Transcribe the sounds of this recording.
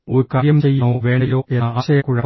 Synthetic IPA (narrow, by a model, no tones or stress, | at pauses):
oɾukaːɾjɐmt͡ɕe̞jːunɐoːʋe̞ːɳɖilo̞ːʔenːaːɕɐjɐkːuɻɐ